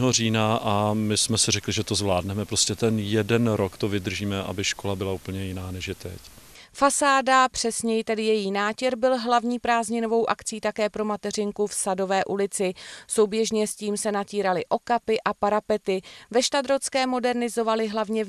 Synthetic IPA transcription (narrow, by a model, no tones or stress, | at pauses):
ɦoriːnaʔamɪsmɛsɪɾɛklɪʒɛt̪ozvlaːdnɛmɛpɾoscɛt̪ɛnjɛdɛnɾokt̪ovɪd̪r̩ʒiːmɛʔa̰bɪʃko̞labɪlauːpl̩ɲɛjɪnaːnɛʃjɛt̪ɛ̰c | fasaːdapr̥ɛsɲɛjt̪ɛdɪjɛjiːnaːcɛɾbɪlɦlavɲiːpɾaːzɲɪno̞vo̞wʔakt͡siːt̪akɛːpɾo̞mat̪ɛr̝ɪŋkufsado̞vɛːʔulɪt͡sɪso̞wbjɛʒɲɛsciːmsɛnaciːɾalɪʔo̞kapɪʔapaɾapɛt̪ɪvɛʃt̪ad̪ɾot͡skɛːmo̞dɛɾnɪzo̞valɪɦlavɲɛ